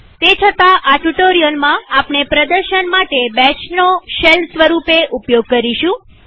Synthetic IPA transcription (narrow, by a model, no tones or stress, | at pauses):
t̪et͡ʃʰət̪aʔaʈuʈoɾijəlmãapɳepɾəd̪əɾʃənmaʈebɛt͡ʃnoʃelsʋəɾupeʔupjoɡ̚kəɾiʃũ